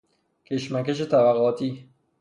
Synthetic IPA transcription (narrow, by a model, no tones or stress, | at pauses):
kʰeʃmækeʃ̬et̪ʰæbæɣɒːt̪ʰiː